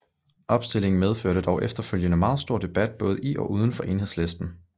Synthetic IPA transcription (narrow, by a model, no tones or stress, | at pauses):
ʔɒ̽b̥sd̥e̝l̰e̝ŋn̩með̞ˠføɐ̰ɾ̥əd̥ɒʊʔefd̥ɐføl̰jənəmɑ̈ːð̞̩ˠsd̥o̝ɐ̰d̥e̝b̥æd̥̚b̥ɔ̽ːð̞̩ˠʔiʔɒ̽ʔuːð̞ˠn̩fɒ̽ʔe̝ːnhe̝slesd̥n̩